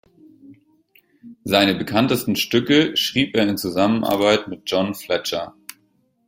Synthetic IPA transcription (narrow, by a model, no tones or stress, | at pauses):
zaɪnəbəkʰantəstn̩ʃtʏkəʃʁ̥iːpeːɐɪnt͡suzamənʔa̰ɐbaɪtmɪt̚d̥ʒ̥ɔnflɛt͡ʃɐ